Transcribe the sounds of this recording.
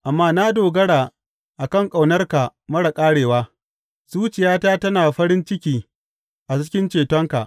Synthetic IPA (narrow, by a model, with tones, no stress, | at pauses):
ʔa˨mːaː˦na˦doː˨ɡɐ˦ɽaː˨ | ʔa˨kɐ˦˨ŋkʼa˨wnɐ˦rka˨mɐ˦ɽɐ˨kʼaː˦ɽeː˨waː˦ | suː˦t͡ʃɪ˨jaː˦taː˦tɐ˦naː˨ɸɐ˦ɾɪ˦nt͡ʃɪ˦kʲiː˦ | ʔa˨t͡ʃɪ̥˦kʲɪ˦nt͡ʃeː˨tɔ˦ŋka̰˨ʔ